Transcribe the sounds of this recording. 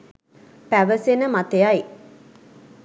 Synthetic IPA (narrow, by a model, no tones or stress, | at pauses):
pæʋəsenəmat̪ejaj